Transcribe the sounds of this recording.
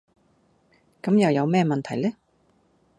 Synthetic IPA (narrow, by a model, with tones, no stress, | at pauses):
kɐ˨˥mjɐ˨wjɐ˨˧wmɛː˥mɐ˨nt̪ʰɐ˨˩jlɛ˥